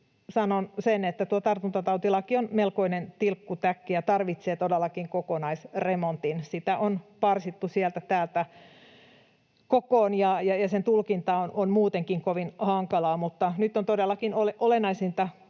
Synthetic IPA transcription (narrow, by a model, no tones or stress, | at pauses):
sɑnonsenet̪ːæt̪uot̪ɑrt̪unt̪ɑt̪ɑut̪ilɑkionmelkoinent̪ilkːut̪ækːijɑt̪ɑrʋit̪seːt̪odelːɑkiŋkokonɑisremont̪insit̪æʔonpɑrsit̪ːusiɛlt̪æt̪æːlt̪æ | kokoːnjɑjɑjɑsent̪ulkint̪ɑononmuːt̪eŋkiŋkoʋinhɑŋkɑlɑːmut̪ːɑnyt̪ːont̪odelːɑkinoleʔolenɑisint̪ɑ